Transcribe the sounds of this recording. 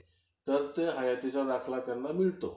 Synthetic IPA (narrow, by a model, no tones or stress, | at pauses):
t̪əɾt̪eɦajat̪it͡sad̪akʰlat̪janːamiɭt̪o